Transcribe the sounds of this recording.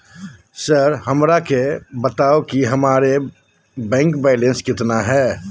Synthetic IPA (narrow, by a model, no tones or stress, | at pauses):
səɾɦəmɾakebət̪aːokiɦəmaːɾe | bɛ̃ːŋkbɛːɪlẽnskɪt̪naɦɛː